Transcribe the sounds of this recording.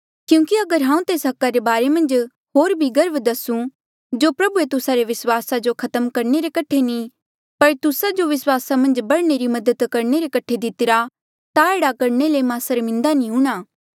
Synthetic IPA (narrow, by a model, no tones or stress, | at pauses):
kjũːkiɐɡəɾɦãːũt̪eːsɦɐkːaɾebaːɾemɐ̃nd͡ʒ | ɦoːɾbʱiɡɐɾbd̪ɐsũ | d͡ʒopɾɐbuet̪ʊsaɾeʋɪswaːsad͡ʒokʰɐt̪əmkɐɾɳeɾekɐʈʰenĩ | pɐɾt̪ʊsad͡ʒoʋɪswaːsamɐ̃nd͡ʒbɐɽneɾimɐd̪ət̪kɐɾɳeɾekɐʈʰed̪ɪt̪ɪɾa | t̪aeːɽakɐɾnelemãsəɾmɪ̃nd̪anĩɦũːɽ̃aː